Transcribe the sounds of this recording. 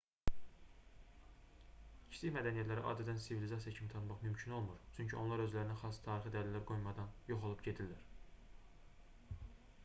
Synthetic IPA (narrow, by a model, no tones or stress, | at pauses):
cʰi̥siçmæd̪ænijæt̪læɾḭʔɑ̰ːd̪æd̪ænsivilizɑsijɑcʰimit̪ʰɑnmɑχmymcʰino̞lˠmuɾt͡ʃʰyɲcʰiʔo̞nlˠɑɾø̞zlæɾinæxɑst̪ʰɑːɾixid̪æɾlælæɾɡo̞jmɑd̪ɑnjo̞χo̞lˠupɟe̞d̪ilːæɾ